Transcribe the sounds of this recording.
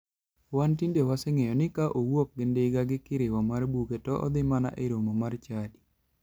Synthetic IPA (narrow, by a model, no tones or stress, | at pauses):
wantindewaseŋejɔnɪkaʔowok̚ɡɪndɪɡaɡɪkɪɾɪwamarbuketɔʔɔ̰d̪ɪmana̰ʔeɾomomart͡ʃadi